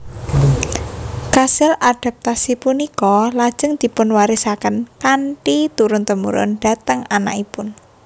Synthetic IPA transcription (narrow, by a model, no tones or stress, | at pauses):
kasɪlʔad̪̥a̤p̚t̪asipunikɔlad̥ʒ̥ə̤ŋd̪̥i̤pʊnwaɾisakənkaɳʈit̪uɾʊnt̪əmṵɾʊ̰nɖ̪̥a̤t̪əŋana̰ʔipʊn